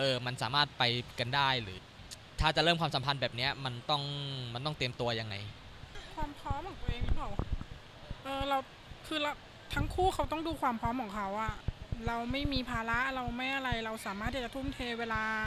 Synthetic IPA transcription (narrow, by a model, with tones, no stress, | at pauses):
ʔɤː˧ma˧nsa̰ː˩˦maː˥˩t̪̚pa˧jka˧ndaː˥˩jɾɯ̰ː˩˦ | t̪ʰaː˥˩t͡ɕa˨˩ʔɾɤː˥˩mkwaː˧msa˨˩˦mpʰa˧nbɛː˨˩p̚ni˦˥ɐma˧nt̪ɔ˥˩ŋma˧nt̪ɔ˥˩ŋt̪i˧əmt̪u˧ɐja˧ŋːa̰˧j | kʰwaː˧mpʰɔː˦˥mpʰkɔː˨˩˦ŋt̪u˧ʔeː˧ŋmi˥˩kʰa˨˩˦w | ʔɤː˧ɾa˧w | kʰɯː˧la˧w | t̪ʰa˦˥ŋkʰuː˥˩kʰa˦˥wt̪ɔ˥˩ŋduː˧kʰwaː˧mpʰɾɔː˦˥mkʰɔː˩˦ŋkʰa˦˥wʔa˥˩ɾa˧wma˥˩jmiː˧pʰaː˧la˦˥ʔɾa˧wma˥˩jʔa˧ɾa˧jɾa˧wsaː˩˦maː˥˩t̪ʰːi˥˩t͡ɕa˨˩t̪ʰu˥˩mt̪ʰeː˧weː˧laː˧